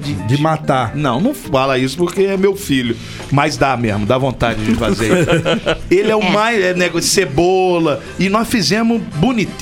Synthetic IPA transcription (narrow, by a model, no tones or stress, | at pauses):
d͡ʒɪd͡ʒɪmat̪anɐ̃w̃nɐ̃w̃alɐisʊ̥poɾkeɛmewfilʊ | majzd̪amezmʊd̪avõnt̪ad͡ʒɪd͡ʒɪfazeɾis | elɪɛʊmajzɛnɛɡsebolɐ | ɪnɔsfizẽmʊzbunit̪